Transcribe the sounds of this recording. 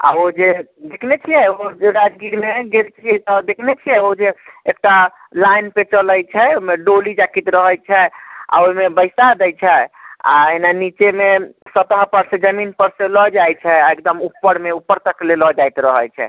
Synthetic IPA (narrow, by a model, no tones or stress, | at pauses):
a̰od͡ʒed̪ekʰnet͡ʃʰijɛod͡ʒeɾad͡ʒɡiɾmeɡelt͡ʃʰiɛt̪ɔd̪ekʰnet͡ʃʰijɛod͡ʒeekʈa | lajnpet͡ʃələjt͡ʃʰɛomeɖolid͡ʒakit̪ɾəɦəjt͡ʃʰɛa̰oimebəɪsad̪ɛjt͡ʃʰɛa̰enanit͡ʃemesət̪əɦpəɾsẽd͡ʒəminpəɾsẽlɔd͡ʒajt͡ʃʰɛaekd̪əmupːəɾmeupːəɾt̪əklelɔd͡ʒajt̪ɾəɦəjt͡ʃʰɛ̰